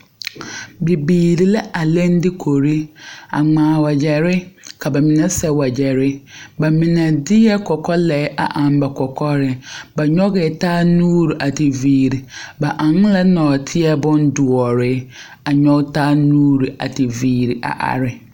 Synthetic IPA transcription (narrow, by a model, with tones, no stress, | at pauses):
bi˨biː˨ɾi˨lɛ˦ʔa˨lɛ̃˦n˦dɪ˦kʰo˨ɾi˦a̰˨ŋ͡mãː˨wa˨d͡ʑɛ˨ɾɪ˦kʰa˨bɛ˨mĩ˨nã˦sɛ˨wa˨d͡ʑɛ˨ɾɪ˦bɛ˨mĩ˨nã˨dɪ˦ɛ˦kʰɔ˨kʰɔ˦lɛ˨˦ʔa˨ʔã˨m˦bɛ˨kʰɔ˨kʰɔ˦ɾɪ˨bɛ˨ɲɔ˦ɡɪ˨tʰaː˦nũː˦ɾʔa˨tʰɪ˨viː˨ɾi˨ba˨ʔã˨ŋ˦lɛ˦nɔ̃˨tʰɪ˦ɛ˦bɔ̃˦n˦dʊ˨ɔ˨ɾɪ˨˦ | a˨ɲɔ˦tʰaː˦nũ˦ɾi˨a˨tʰɪ˨viː˨ɾʔa̰˨ʔa̰˨ɾɪ˨